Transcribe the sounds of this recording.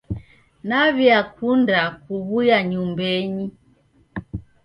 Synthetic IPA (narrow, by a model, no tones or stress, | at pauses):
naβjakundakuβujaɲumbɛɲi